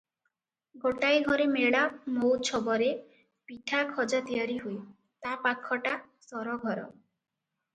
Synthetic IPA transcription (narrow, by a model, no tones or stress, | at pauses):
ɡoʈajɡʱɔɾemeɭamowt͡ʃʰɔbɔɾe | piʈʰakʰɔd͡ʒat̪ijaɾiɦuj | t̪apakʰːɔʈa | sɔɾɔɡʱɔɾɔ̰